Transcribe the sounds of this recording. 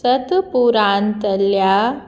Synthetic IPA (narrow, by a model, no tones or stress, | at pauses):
sət̪puɾant̪əlːja